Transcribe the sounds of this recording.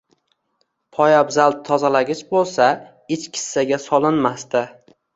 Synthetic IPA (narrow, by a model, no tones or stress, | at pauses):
pʰɒjabzalˠd̪̚t̪ʰːɒzalaɡʲɪt͡ʃbolˠsa | ɪt͡ʃkʲʰɪ̥sːaɡʲasɒlˠɪnmast̪ɪ